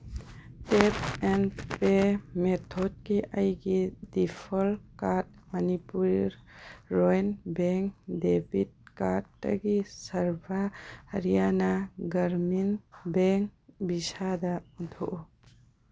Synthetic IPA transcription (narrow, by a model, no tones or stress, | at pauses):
tep̚ɛnpemet̪ʰɔd̚kiʔajɡidipʰɔlkat̚mɐnipuɾɾɾɔjnbɛŋkdebit̚kat̚ːa̰ɡisaɾbʱahɾijanaɡɐɾminbɛŋbisad̪auntʰuʔ